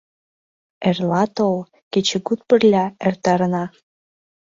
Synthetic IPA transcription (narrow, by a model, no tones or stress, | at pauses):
erlɑt̪ol | ket͡ɕĕɡut̪̚pə̆rlʲæert̪ɑɾənɑ